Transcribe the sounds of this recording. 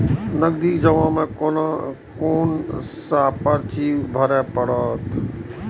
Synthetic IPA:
nəɡd̪iːkd͡ʒəʋãːmẽkon | koːnsaːpəɾt͡ʃibʱəɾɛpəɽɔt̪

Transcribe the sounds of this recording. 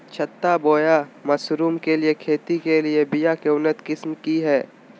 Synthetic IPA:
t͡ʃʰət̪ːaboːjamɐsɾuːmkeliekʰeːt̪ikeliebɪjakeʊnːət̪kɪsmkiɦɛː

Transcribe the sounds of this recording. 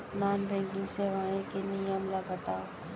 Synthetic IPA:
naːnbɛ̃ŋkɪ̃ŋseʋaẽkeniəmlabɐt̪aː

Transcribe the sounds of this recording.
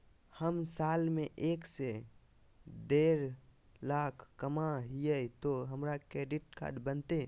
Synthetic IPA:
həmsaːlmẽʔeːkse | d̪eːɾ | laːkʰkːəmaɦijəit̪oɦəmɾakɾeːɖiʈkʰa̰ɖbənt̪e

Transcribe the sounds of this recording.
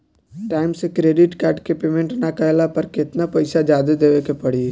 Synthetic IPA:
ʈaːɪmsẽkɾeɖiʈkaːɾʈkepemẽɳʈnakəɦelapəɾket̪napəɪsad͡ʒad̪ed̪eʋekepəɽi

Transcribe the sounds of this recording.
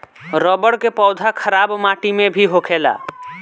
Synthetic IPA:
ɾɔbəɽkepɔwd̪ʱakʰəɾabmaʈimebʱiɦokʰela̰

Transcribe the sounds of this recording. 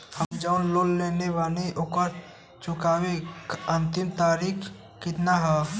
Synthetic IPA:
həmd͡ʒaʊnloːlːeːneʋaːleʔokəɾ | t͡ʃʊkaːweə̃nt̪ɪmt̪aːɾiːkʰː | kɪt̪naɦɛː

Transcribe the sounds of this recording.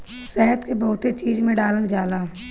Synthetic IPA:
sɛɦət̪kebɐɦʊt̪et͡ʃiːd͡ʒmẽɖaːləld͡ʒaːlaː

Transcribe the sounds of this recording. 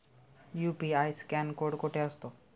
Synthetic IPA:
jupiajskɛnkoɽkoʈʰeəst̪o

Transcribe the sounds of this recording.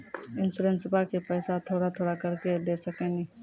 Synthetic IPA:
ɪnsulẽnsɪbʱakepəɪsat̪ʰoːɽat̪ʰoːɽakəɾked̪esəkɛni

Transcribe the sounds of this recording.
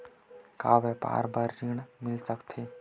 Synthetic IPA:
ka̰ʋɛpa̰ːɾbaɾːiɳmɪlsəkt̪ʰe

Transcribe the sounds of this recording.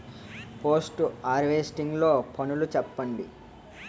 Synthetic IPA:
poːsʈaːɾʋeːsʈiŋɡlo̞ːpʰɐnulut͡ʃɛpːɐɳɖi

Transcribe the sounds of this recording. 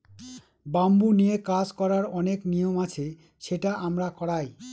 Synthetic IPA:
bambunijekad͡ʑkɔɾaɾɔneknijomat͡ɕʰe | ʃeʈaʔamɾakɔɽaj

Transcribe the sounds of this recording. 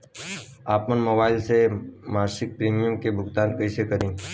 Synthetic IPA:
aːpmənmobaːɪlsemaːɾsɪk̚pɾiːmijəmkebʱʊɡt̪aːnkəɪsekəɾĩː

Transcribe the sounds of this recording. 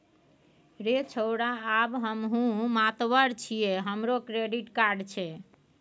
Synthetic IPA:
ɾet͡ʃʰəwɽaːbɦəmɦũmat̪ʋəɾt͡ʃʰijeɦəmɾokɾeɖiʈkaɾɖt͡ʃʰɛ

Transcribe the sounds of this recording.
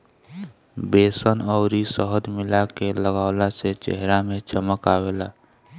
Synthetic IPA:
beːsənɔʊɾisəɦəd̪mɪlakeləɡaːʊlaset͡ʃɦɾamẽt͡ʃəməkaːweːlaː

